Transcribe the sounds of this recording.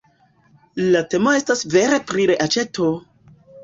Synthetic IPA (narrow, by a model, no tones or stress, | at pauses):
late̞mo̞e̞stasve̞ɾe̞pɾiɾeʔat͡ʃe̞tʰo̞